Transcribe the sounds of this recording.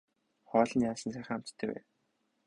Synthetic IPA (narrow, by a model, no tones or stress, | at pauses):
χɔːɮə̆njaːsə̆nsæːχ̆ʲam̥t͡st̪ʰːæːwæ̰ː